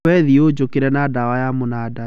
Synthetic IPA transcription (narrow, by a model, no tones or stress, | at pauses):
wɛðiod͡ʑokeɾɛnadawajamonada